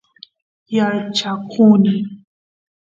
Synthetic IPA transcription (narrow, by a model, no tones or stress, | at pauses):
jaɾt͡ʃakʰuna